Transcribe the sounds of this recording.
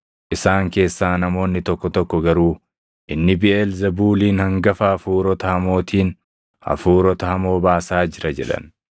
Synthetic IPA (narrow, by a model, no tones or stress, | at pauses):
ʔɪsaːŋke̞ːsːaːnɐmo̞ːnːɪt̪ɔkːɔt̪ɔkːɔɡɐɾuː | ʔɪnːɪbɪʔɛlzɐbuːliːnhɐŋɡɐfɐːfuːɾɔt̪ɐhɐmo̞ːt̪ʰiːn | ɐ̰fuːɾɔt̪ɐhɐmo̞ːbaːsaːd͡ʒɪɾɐd͡ʒɛᶑɐ̰n